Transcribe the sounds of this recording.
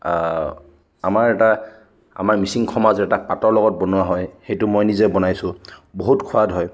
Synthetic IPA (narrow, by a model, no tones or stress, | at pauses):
a̰maɹɛta | a̰maɹmisiŋkʰɔmazɛtapatɔɹlɔɡɔt̚bɔnʊwaɦɔjxejtʊmɔjnizɛbɔnajsʊboɦutkʰuadɦɔj